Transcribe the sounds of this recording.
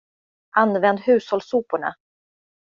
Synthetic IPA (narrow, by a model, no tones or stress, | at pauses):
ʔanːvɛnd̪hʉ̟ːshɔlsuːpʊɳa̰